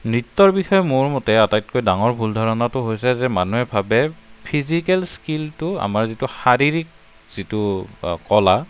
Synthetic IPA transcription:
nɹitːɔɹbixɔjɔmʊɹmɔtɛatajt̚kojdaŋɔɹbʱuldʱɔɹɔnatʊɦojsɛzɛmanuɦɛbʱabɛpʰizikɛlskiltʊa̰maɹzitʊxaɹiɹik̚ | z̥itʊkɔla

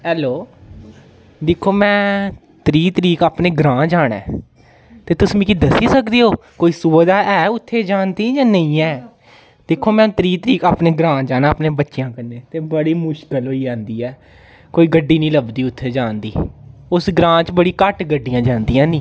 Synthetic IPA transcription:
ɛːloː | d̪ɪkʰːoːmɛ̃ː | t̪əɾiːt̪əɾiːkaːpneːɡɾãːd͡ʒaːɽɛ̰ː | t̪eːt̪ʊsmĩːkid̪əsiːsəkd̪iːɦoːkoːiːsʊbd̪aːʔɛːʊt̪ʰːeːd͡ʒaːnd̪iːjãːnəĩːɛː | d̪̥ɪkʰːoːmɛ̃ːt̪əɾiːt̪əɾiːkaːpneːɡɾãːd͡ʒaːnãːpnẽːbətːʃɪjãːkənːẽːt̪eːbəɽiːmʊʃkəlɦoːiːd͡ʒãːnd̪iːɛː | koːiːɡəɖːiːnĩːləbd̪iːʊt̪ʰːeːd͡ʒaːnd̪ḭːʊsɡɾãːt͡ʃbəɽiːkəʈɡəɖijãːd͡ʒãːnd̪iːãːnĩː

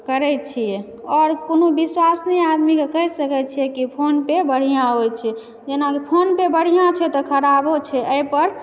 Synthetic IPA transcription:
kəɾɛt̪t͡ʃʰijɛ | ɔɾkonobiswasnɛad̪mikekəɦɛsəkɛt̪̚t͡ʃʰijɛkipʰonpebəɽ̤ijãɦojt͡ʃʰɛ | d͡ʒenakipʰonpebəɽ̤ijãt͡ʃʰɛt̪ɔkʰəɾabot͡ʃʰɛʔəjpəɾ

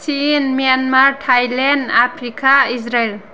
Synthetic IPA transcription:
sinmijanmaɾtʰajlendapʰɾikaisɾel

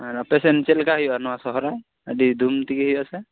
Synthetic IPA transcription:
aɹapɛsɛnt͡ʃɛlkaɦijanɔasɔɦɔɾaj | adid̪umt̪ikiɦɔjasɛ

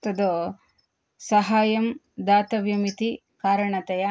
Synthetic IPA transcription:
t̪ɐd̪o | sɐɦaːjɐm | d̪aːt̪ɐʋjɐmit̪i | kaːɾɐɳɐt̪ɐjɐ

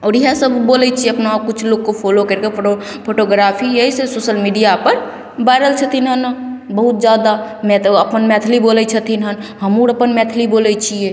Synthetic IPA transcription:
ɔːɾiɦasəbbolɛt͡ʃʰieəpnaokut͡ʃʰloɡkopʰolokəɾkeo | pʰoʈoɡɾapʰijəɦisesoːsəlmiɖijapəɾ | bajɾəlt͡ʃʰət̪ʰinɦənəbəɦut̪̚d͡ʒjad̪amɛt̪əpənmɛt̪ʰlibolɛt͡ʃʰət̪ʰinɦənɦəmuɾəpənmɛt̪ʰlibolɛt͡ʃʰie

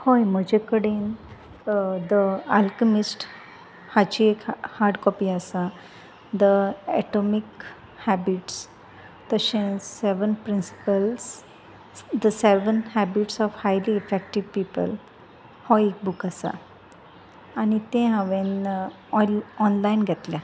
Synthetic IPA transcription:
hojməd͡ʒekəɽen | d̪əalkəmisʈ | hat͡ʃiekhaɾɖkɔːpiasa | d̪əɛ̰ʈɔmik | hɛbiʈs | t̪əʃẽsɛʋənpɾĩnsi̥pəls | d̪əsɛʋənhɛbiʈsɔfhajliːfɛk̚ʈiʋpiːpə̰l | hɔek̚bukasa̰ | anit̪ẽɦãʋẽn | ɔnlainɡɛt̪lja

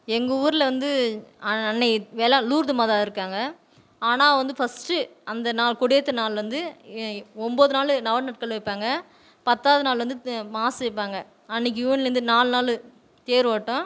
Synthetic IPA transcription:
ɛŋɡɐuːɾɪlɐʋɐnd̪ɯɐɐnːɐɪʋeːlɐluːɾd̪ɯmaːðaːɪɾɯkːaːŋɡɐ | aːnaːʋɐnd̪ɯfɐsʈɯɐnd̪ɐnaːlkʊɽɪjɐt̪ːɯnaːlʋɐnd̪ɯ | ɔmboːðɯnaːlnɐʋɐɽnɐʈ̚kɐlʋɐɪpːaːŋɡɐ | pɐt̪ːaːʋɐðɯnaːlʋɐnd̪ɯmaːsɐɪpːaːŋɡɐ | ɐnːɪk̬ːjuːnlɾɯnd̪ɯnaːlnaːlɯ | t̪eːɾʋaːʈːʊ̃

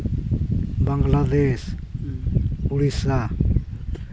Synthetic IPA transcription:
baŋɡlad̪es | uɽisa

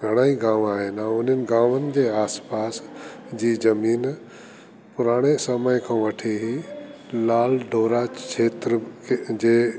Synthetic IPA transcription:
ɡʱɐɽ̃aːiɡãːʋaːɦɪnãʊnənɪ̆ɡãːʋənɪ̆d͡ʑeːaːspaːsd͡ʑiːzɐmiːn | pʊɾaːɽ̃esəməjkʰãːʋɐʈʰiɦi | laːlɖʱoːɾat͡ʃʰeːt̪ɾəkʰd͡ʑeː

